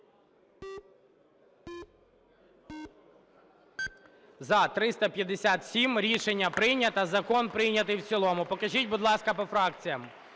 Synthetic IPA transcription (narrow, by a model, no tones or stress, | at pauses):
zɐt̪ɾɪst̪ɐpʲjɐd̪esʲat̪sʲimɾʲiʃenʲːɐpɾɪnʲɐt̪ɐzɐkɔnpɾɪjnʲɐt̪ɪjwt͡sʲilˠɔmʊpɔkɐʒitʲbʊd̪lˠɑskɐpɔfɾɑkt͡sʲijɐm